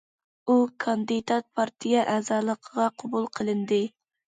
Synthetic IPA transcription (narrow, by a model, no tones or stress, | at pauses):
ukʰɑnd̪ɨd̪ɑt̪̚pʰɑɾt̪ʰijɑʔɛːzɑːlˠəqʰəʁɑqʰɑbulˠqʰəlˠɨnd̪ɪ